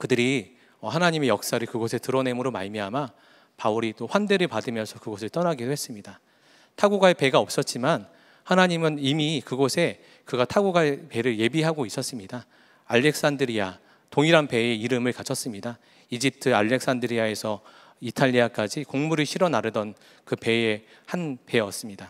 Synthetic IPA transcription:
kɯdɯɾi | ʌhanaɲime̞jʌk̚s͈aɾɯɭkɯɡosʰe̞tɯɾʌne̞mɯɾoma̰ɭmiama | pauɾit͈oɸwande̞ɾɯɭpadɯmjʌnsʰʌkɯɡʌsʰɯɭt͈ʌnaɡidohes͈ɯmɲida | tʰaɡuɡaepe̞ɡaʌp̚s͈ʌt̚t͡ɕ͈iman | hanaɲimɯnimikɯɡosʰe̞ | kɯɡatʰaɡuɡaɭpe̞ɾɯɭje̞biɦaɡois͈ʌs͈ɯmɲida | aʎːe̞k̚s͈andɯɾia | toŋiɾanpe̞e̞iɾɯmɯɭkat͡ɕʰʌs͈ɯmɲida | id͡ʑip̚tʰɯaʎːe̞k̚s͈andɯɾiae̞sʰʌ | itʰaʎːiak͈ad͡ʑikoŋmuɾɯɭɕʰiɾʌnaɾɯdʌn | kɯpe̞e | hanpe̞ʌs͈ɯmɲida

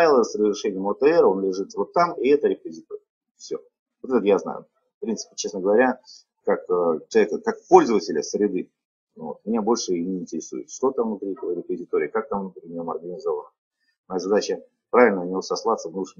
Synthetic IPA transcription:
vʲɪlˠəsrəzʲɾʲɪʂɛnʲɪjəmot̪əɛɾo̞nlʲɪʐɨt̪vo̞t̪ːamɪɛt̪əɾʲɪpəzʲɪt̪oɾʲɪə | fsʲo̰ | vo̞t̪ɛt̪əjazna̰jʊ̰ | fpɾʲinsɨ̥pʲɪ̥t͡ɕe̞snəɡəvɐɾʲa | kakət͡ɕɪlˠʲekəkakpo̞lʲzəvətʲɪlʲɪsɾʲɪd̪ɨ | vo̞̰t̪mʲɪnʲabo̞lʲʂɨinʲɪːnʲtʲɪɾʲɪsṵjɪ̰t̪ʂt̪o̞t̪avnʊt̪ɾʲit̪əvəɾʲɪpəzʲɪt̪o̞ɾʲɪːkak̚t̪amvnʊp̪ɾʲinʲomɐrɡənʲɪzo̞vənə | mɐjazɐd̪at͡ɕə | pɾavʲɪlʲnənnʲɪvosɐslˠat̪səvnuʂɨm

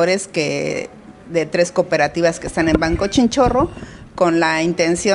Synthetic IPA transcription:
oɾe̞ske | ðe̞t̪ɾe̞skope̞ɾat̪iβaske̞st̪ane̞mbaŋkot͡ʃint͡ʃo̞ro̞ko̞nlaint̪e̞nsjo

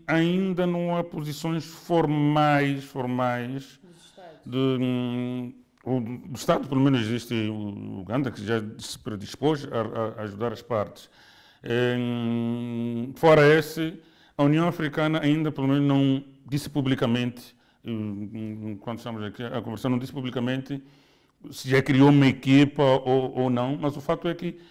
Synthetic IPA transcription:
ɐĩnd̪ɐnɐ̃w̃apuzisõj̃ʃfoɾmajʃfoɾmajʃ | d̪ɨ | od̪uʃt̪ad̪upelumẽnuziziʃt̪ɨuṵɣɐ̃nd̪ɐkɨʒasɨ̥pɾɨd̪iʃpoʒɐɐːʒud̪aɾɐʃpaɾt̪ɨ̥ʃ | ɛ | fɔɾɐesɨ | ɐuniɐ̃w̃ɐfɾikanɐaĩnd̪ɐpelumẽnʊznɐ̃w̃d̪ispublikɐmẽnt̪ɪ̥ | kwɐ̃nd̪ʃt̪amʊzɐkiɐkõveɾsɐ̃w̃nɐ̃w̃d̪ispublikɐmẽnt̪ɪ | sɪʒakɾioumɐekipɐʔoonɐ̃w̃mɐzufat̪uɛkɪ

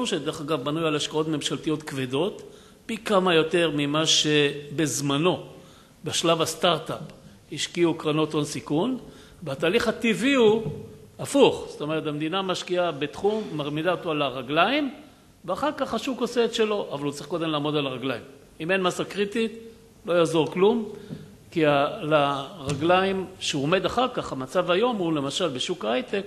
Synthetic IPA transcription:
uʃed̪eʁeχaɡavbanujalaʃkao̞t̪me̞mʃalt̪ijo̞t̪kved̪o̞t̪ | pikamajo̞te̞ʁmimaʃebezmano̞ | beʃlavast̪aʁt̪ap | hiʃkiukʁanot̪onsikun | veataːliχhat̪iviuafuχzo̥t̪o̞me̞ʁetamd̪inamaʃkiabe̞t̪χumːaʁmidaot̪oalaʁaɡlaim | veaχaʁkaχaʃukoseːt̪ʃe̞lo̞ʔavalut͡saʁiχkod̪e̞mlaːmo̞d̪alaʁaɡlaim | ime̞nmasakʁit̪it | lo̞jaːzo̞ʁklum | kialaʁaɡlaimʃeuome̞d̪aχaʁkaχamat͡savajo̞mule̞maʃalbeʃukajt̪ek

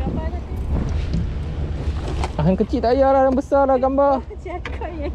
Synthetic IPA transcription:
aɦankət͡ʃiʔt̪aʔjalahdaŋbəsarlaɡamba

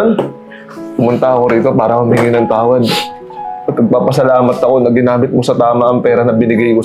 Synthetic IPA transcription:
n | pʊmʊnt̪aɐko̞ɾiːt̪o̞paːɾɐmʊmiŋɪnɐŋt̪aːwɐd̪̚ | pɐpɐɡ̚paːpɐsɐlaːmɐt̪ɐko̞nɐɡɪnaːmɪt̪̚mosɐt̪aːmɐʔɐŋpɛːɾɐnɐbɪnɪɡajko

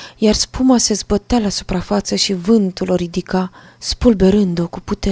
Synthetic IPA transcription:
jarspumase̞zbət̪ealasu̥pɾafat̪səʃivɨnt̪ulo̞ɾid̪ika | spulbe̞ɾɨnd̪o̞kuput̪e

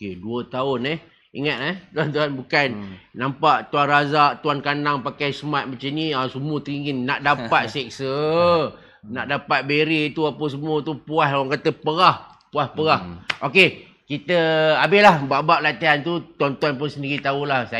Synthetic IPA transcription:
okeduət̪aʊnɛh | ḭŋat̪̚lat̪uant̪uanbukannampaʔt̪uanrazaʔt̪uankanaŋpakajsəmat̪̚mat͡ʃaniasəmut̪ɾiŋinnːaʔdapat̪̚sɛk̚sə | naʔdapat̪̚beɾit̪uapəs̬əmuət̪upuaɦlawaŋkat̪əpəɣah | puahpəɣahʔoke | kit̪əabɪlahbabaʔlat̪iɦant̪ut̪uant̪uanp̬ʊnsəndiɾit̪aulahsa

